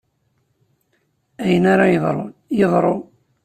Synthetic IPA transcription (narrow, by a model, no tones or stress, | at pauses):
æjənaɾajəðˤɾˤo̰jəðˤɾˤo